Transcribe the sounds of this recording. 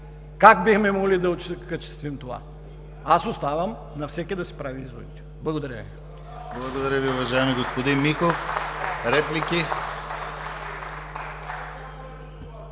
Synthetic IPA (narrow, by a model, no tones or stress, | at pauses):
kak̚bixmɛmoɡlid̪ɐot͡ʃkat͡ʃɛ̥st̪vimt̪ova̰ | asost̪avəm | nɐfsɛkʲid̪ɐsɛ̥pɾaviizvo̰ḭt̪ɛ̥blˠɐɡod̪ɐɾʲjəvi | blˠɐɡod̪ɐɾʲjəviʊvɐʒaɛmiɡospod̪inmixofɾɛplikʲi